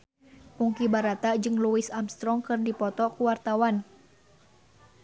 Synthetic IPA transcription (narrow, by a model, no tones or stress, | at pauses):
kuŋkibaɾat̪ad͡ʒɨŋluisamst̪ɾɔŋkɨrdipɔt̪ɔkuwart̪awan